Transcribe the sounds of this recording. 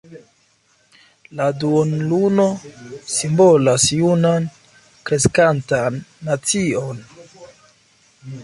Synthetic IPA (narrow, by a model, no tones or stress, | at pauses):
laduonluno̞simbo̞lasjunan | kɾe̞skantanːat͡sio̞n